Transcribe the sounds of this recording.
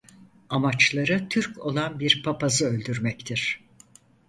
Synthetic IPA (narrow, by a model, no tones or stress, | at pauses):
amat͡ʃlˠaɾɯt̪ʰyɾkʰo̞lˠanbiɾpʰapazɯølʲd̪yɾmɛct̪ʰiɾ̥